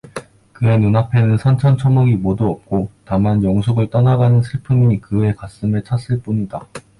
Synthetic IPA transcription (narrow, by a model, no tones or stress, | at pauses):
kɯe̞nunapʰe̞nɯnsʰʌnt͡ɕʰʌnt͡ɕʰʌmʌɡimoduʌp̚k͈otamanjʌŋsʰuɡɯɭt͈ʌnaɡanɯnsʰɯɭpʰɯmiɲikɯe̞kas͈ɯmet͡ɕʰas͈ɯɭp͈uɲida